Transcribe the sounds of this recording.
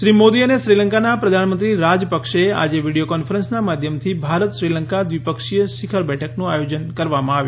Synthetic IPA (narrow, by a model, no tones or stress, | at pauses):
ʃɾimod̪iəneʃɾiləŋkanapɾəd̪ʱanmənt̪ɾiɾad͡ʒpəkʃea̰d͡ʒeʋiɽijokɔnfʰəɾənsnamad̪ʱjəmt̪ʰibʱaɾət̪ʃɾiləŋkad̪ʋipəkʂijəʃikʰəɾbɛʈʰəknũajod͡ʒənkəɾʋamãaʋju